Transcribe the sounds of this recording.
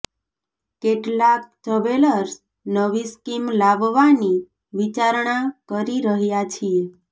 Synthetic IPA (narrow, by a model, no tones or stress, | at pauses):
keʈlak̚təʋeləɾs | nəʋiskimlabʋani | ʋit͡ʃaɾɳakəɾiɾəɦjat͡ʃʰie